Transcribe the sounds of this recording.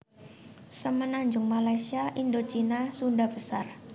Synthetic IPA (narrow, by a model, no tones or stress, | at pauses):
səmənaɲd͡ʒʊŋmalajsiaʔindot͡ʃinasundahb̥əsar